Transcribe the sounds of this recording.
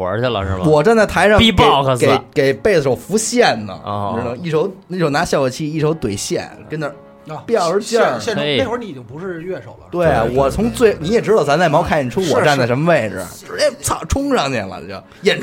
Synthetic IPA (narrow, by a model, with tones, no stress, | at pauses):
ə̰˧˥ə˥˧lə̰˧ʂɻ̩˥˧˩wɔ˨˩ʈ͡ʂa˥˧nt͡sa˥˩t̪ʰa˧˥ɪʂɑ˥˧pi˥˧pɑ˥˩ʊkʰɤ˧ke˨˩ɪke˨˩ɪpe˥˩ɪdə˩ʂʊfu˧˥ɕjɛ˥˩nnə̰˩˧˥nɤ˧˥ŋi˥˩ʈ͡ʂʰo˧˥ʊ˥˩o˧˥ʊna˧˥ɕjɑ˥˩ʊkɔ˧˩t͡ɕʰi˥˧i˥˩ʈ͡ʂʰo˧˥ʊt̪we˨˩ɪɕjɛ̰˥˩nkə˥nə˧ | pjɑ˥˩ʊə˞˧˥t͡ɕjɑ˥˩jɛ˥˩˥ni˧˨˩t͡ɕɪ˥ŋpu˧˥ʂɻ̩˥˧ɥɛ˥˩ʂo˨˩ʊlə˦t̪we˥˩ɪwɔ˨˩t͡sʰʊ˧˥ŋt͡swe˥˩ɪni˧˥jɛ˨˩ʈ͡ʂɻ̩˥d̪ɑ˨˩t͡sʰa˧˥nt͡sm˧˥kʰa˥˩n˩ɛ˨˩ʈ͡ʂʰu˥wɔ˨˩a˥˧˩nt͡sa˥˩ʂə˧˥mə˧ʋe˥˧ɪʈ͡ʂ̩˩˥ɛ˧˥t͡sʰɑ˨˩ʈ͡ʂʰʊ˥ŋʂɑ˥˩ŋt̪jɛ̰˨˩lə̰˧˩˧jɛ˨˩n